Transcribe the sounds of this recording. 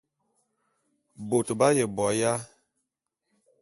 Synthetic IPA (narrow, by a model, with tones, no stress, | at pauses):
bo˨to˨ba˦jɛ˨bɔ˨˦ja˦